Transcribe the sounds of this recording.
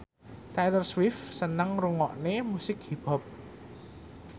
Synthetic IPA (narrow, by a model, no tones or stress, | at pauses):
t̪ajlərswɪfsənəŋruŋɔʔnemusɪk̚hib̥ɔ̤p̚